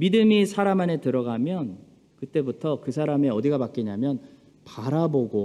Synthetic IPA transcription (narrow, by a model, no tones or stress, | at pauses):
midɯmisʰaɾamane̞tɯɾʌɡamjʌn | kɯt͈e̞butʰʌkɯsʰaɾame̞ʌdiɡapak͈iɲamjʌn | paɾaboɡo